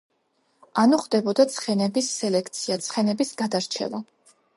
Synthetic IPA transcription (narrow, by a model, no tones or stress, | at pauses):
anuχd̪ɛbɔd̪at̪sʰχɛnɛbisːɛlɛkʰt̪sʰiat̪sʰχɛnɛbisɡad̪aɾt͡ʃʰɛ̰la